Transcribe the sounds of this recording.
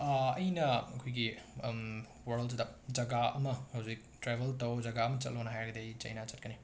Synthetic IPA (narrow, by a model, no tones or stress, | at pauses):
ɐjnɐɐkʰojɡi | wɐɾlz̬dɐd͡ʒɐɡaɐmɐhɐwzik̚tɾebʱɐltɐwd͡ʒɐɡaɐmɐt͡ʃɐt̚lonɐɦajɾɐɡɐdejt͡ʃɐ̰jnat͡ʃɐt̚kɐni